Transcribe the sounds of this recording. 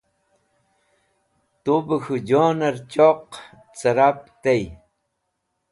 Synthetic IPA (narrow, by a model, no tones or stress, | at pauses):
t̪ubəxuɟonaɾt͡ʃoq | t͡səɾap̚t̪ej